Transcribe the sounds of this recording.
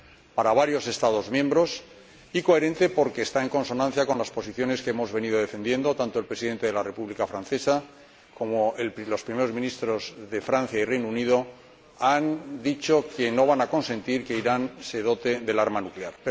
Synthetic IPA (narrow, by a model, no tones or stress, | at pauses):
paɾaβaɾjo̞se̞st̪aðo̞zmjẽ̞mbɾo̞s | iko̞e̞ɾe̞nt̪e̞po̞ɾke̞ːst̪ae̞ŋko̞nso̞nãn̟θjako̞nlaspo̞siθjo̞ne̞skeemo̞zβe̞niðo̞ðe̞fe̞nd̪je̞nd̪o̞t̪ant̪o̞elpɾe̞siðe̞nt̪eðelare̞puβlikafɾanθe̞sa | ko̞moello̞spɾime̞ɾo̞zmĩnist̪ɾo̞zðe̞fɾan̟θjairejnuniðo̞ | and̪it͡ʃo̞ke̞no̞β̞anako̞nse̞nt̪iɾke̞iɾanse̞ðo̞t̪e̞ðe̞laɾmanukleaɾ